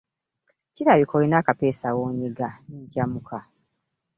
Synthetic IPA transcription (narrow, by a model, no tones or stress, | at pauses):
ciɾaβikolinaːkapeːsawoːɲiɡaniɟamukʰa